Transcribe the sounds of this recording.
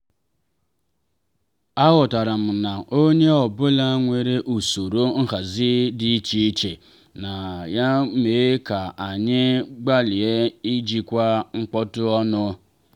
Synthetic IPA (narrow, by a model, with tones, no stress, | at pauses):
a˦ɣʊ˨ta˨ɾa˨m̩˨na˨o˦ɲe˦ɔ˨bʊ˦la˦ŋʷe˨ɾe˦ʔu˨so˨ɾo˦ŋ̩˦ɦa˨zɪ˦di˦i˦t͡ʃi˦i˦t͡ʃe˨ | na˨ja˦me˨˦ka˨a˨ɲɪ˦ɡ͡ba˦li˨e˦i˦d͡ʒi˦kʷa˦ŋ͡m̩˦k͡pɔ˦tʊ˦ɔ˦nʊ˦